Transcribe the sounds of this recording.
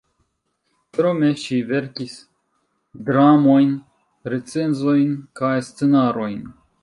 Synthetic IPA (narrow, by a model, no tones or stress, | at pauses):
pɾomeʃiveɾkis | d̪ɾamojn | ɾet͡senzo̞jnkajstt͡senaɾo̞jn